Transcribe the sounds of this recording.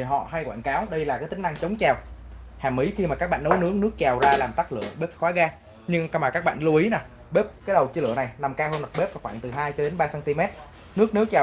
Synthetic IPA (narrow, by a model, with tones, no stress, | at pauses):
i˨˩ɦɔ̰˧˨ɦa˧jkwaː˧˨nkaː˨˦wɗə˧jlaː˨˩kaː˨˦t̪ï˨˦ŋ̟na˧ŋt͡ɕə˨˦wŋ͡mt͡ɕaː˨˩w | haː˨˩mʔi˨˦xi˧maː˨˩kaː˦˥k̚ɓ̰ːnːə˨˦wnɨ˨˦˥əknɨ˦˥ək̚t͡ɕaː˨˩wzaː˧laː˨˩mt̪a˦˥k̚lɨ̰˧˨əɓe˦˥p̚xwaː˨˦ɣaː˧ | ɲɨ˧ŋka˧maː˨˩kaː˦˥k̚ɓa̰ː˧˨nlu˧ʔi˨˦na˨˩ | ɓe˦˥p̚kaː˨˦jɗə˨˩wt͡ɕɨ˧lɨ̰˧˨əna˨˩jna˨˩mkaː˧hoː˧nɗa˨˩ɓe˦˥p̚va˨˩xwaː˧˨nt̪ɨ˨˩ɦaː˧jt͡ɕɔ˧ɗe˨˦nɓaː˧saː˧nt̪i˧mɛ˦˥t̚ | nɨ˦˥ək̚nɨ˦˥ək̚t͡ɕaː˨˩